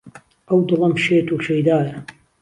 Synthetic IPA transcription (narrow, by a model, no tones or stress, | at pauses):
ʔɐwd̪ɨlˠɐmʃeːt̪uːʃejd̪aːjɐ